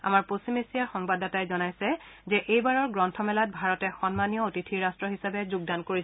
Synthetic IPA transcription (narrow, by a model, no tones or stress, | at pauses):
a̰maɹposimesijaɹxɔŋbadatajzɔnajsɛzɛʔejbaɹɔɹɡɹɔntʰɔmɛlat̚bʱaɹɔtɛxɔnmanijɔotitʰiɹastɹɔɦisabɛzuɡ̚dankoɹi